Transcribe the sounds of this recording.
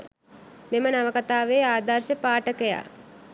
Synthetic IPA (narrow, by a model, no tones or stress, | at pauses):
memənaʋəkat̪aːʋeːaːd̪arʃəpaːʈəkəja̰ː